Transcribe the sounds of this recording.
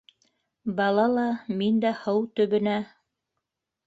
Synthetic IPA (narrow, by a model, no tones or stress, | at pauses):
bɑlˠɑlˠɑmind̪æhɤwt̪ɵ̆βɘ̆næ